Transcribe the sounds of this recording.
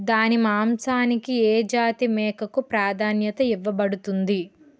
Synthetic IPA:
d̪aːnimaːmsaːnikieːd͡ʒaːt̪imɛːkɐkupɾaːd̪ʱaːnjɐt̪ɐiʋːɐbɐɽut̪und̪i

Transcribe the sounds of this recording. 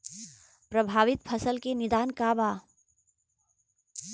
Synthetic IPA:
pɾəbʱaːʋɪt̪pʰəsəlkenɪd̪aːnkaːbaː

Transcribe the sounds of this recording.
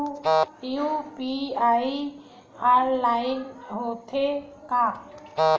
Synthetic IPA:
jupiai | aːɾlaːɪnɦot̪ʰeka

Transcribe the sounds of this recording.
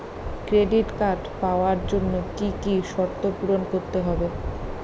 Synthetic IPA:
kɾeɖiʈkaɖpaoaɾd͡ʑonːokikiʃɔɾt̪ːopuɾonkoɾt̪eɦɔbe

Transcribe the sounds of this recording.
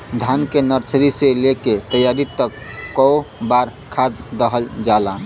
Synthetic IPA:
d̪ʱankenəɾt͡ʃʰɾiseleket̪əjaɾit̪əkːɔobaɾkʰad̪ːəɦəld͡ʒalã

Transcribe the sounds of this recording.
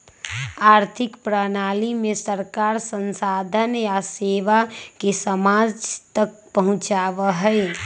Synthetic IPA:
aɾt̪ʰɪkpɾənalimesəɾkaɾsənsad̪ʱənjaseʋakesəmad͡ʒt̪ək̚pəɦʊ̃t͡ʃaʋəɦəj

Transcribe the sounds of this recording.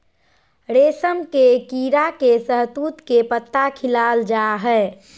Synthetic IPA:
ɾeːsəmkekiɾakesəɦt̪uːt̪kepət̪ːakʰɪlaːld͡ʒaɦɛ

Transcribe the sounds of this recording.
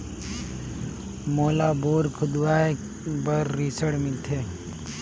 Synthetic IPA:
moːlaːboːɾkʰʊd̪ʋaː | bəɾːisəɽmɪlt̪ʰe

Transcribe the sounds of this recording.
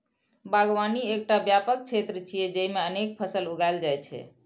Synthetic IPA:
baɡʋaniek̚ʈabjapək̚t͡ʃʰet̪ɾət͡ʃʰijɛd͡ʒəimeənek̚pʰəsəluɡajld͡ʒajt͡ʃʰɛ̰

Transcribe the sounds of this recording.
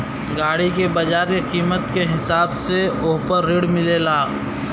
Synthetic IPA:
ɡaːɽikebɐd͡ʒaːɾkeqiːmət̪keɦɪsaːbseʊɦpəɾːɪɽmɪlelaː

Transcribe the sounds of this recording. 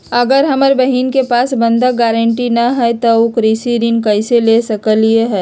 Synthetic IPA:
ɐɡəɾɦɐməɾbɐɦiːnkepaːsbə̃nd̪aɡɛːɾəɳʈinɐɦɛt̪oʊkɾisiɾinkɐɪselesɐkəlieɦɛː

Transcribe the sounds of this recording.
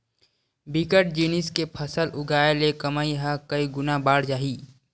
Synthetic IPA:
bikəʈ̚d͡ʒiːnɪskepʰɐsəlʊɡaːelekɐmaːiɦakɐiɡʊnabaːɽd͡ʒaːɦiː

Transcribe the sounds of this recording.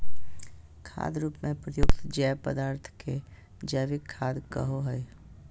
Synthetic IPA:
kʰa̰ːd̪ɾuːpmẽpɾəjʊkt̪d͡ʒɛːpəd̪aːɾt̪ʰke | d͡ʒəːʋɪkʰːaːd̪kə̰ɦoɦəj

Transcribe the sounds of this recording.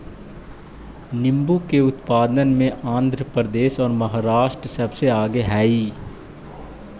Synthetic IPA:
nɪ̃mbukeʊt̪paːd̪ənmẽʔãːnd̪ʱɾəpɾəd̪eːʃɔːɾmɐɦaːɾaːʃʈɾsɐbseaːɡeɦɛːiː

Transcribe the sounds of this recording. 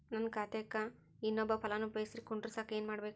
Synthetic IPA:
nɐnkaːt̪eːkːa | inːɔbːɐpʰɐlɐnuːpeːsiɾikuɳɖiɾsaːkeːnmaːɽbeːk

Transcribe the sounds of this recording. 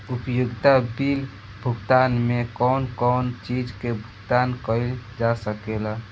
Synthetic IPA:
upjuɡt̪abil | bʱuɡt̪anmekɔnkɔːnt͡ʃid͡ʒkebʱuɡt̪ankəɪld͡ʒasəkela

